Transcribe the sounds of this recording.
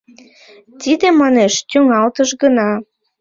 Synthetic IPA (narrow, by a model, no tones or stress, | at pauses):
t̪id̪emɑneʃt̪ʲyŋɑlt̪əʃɡənɑ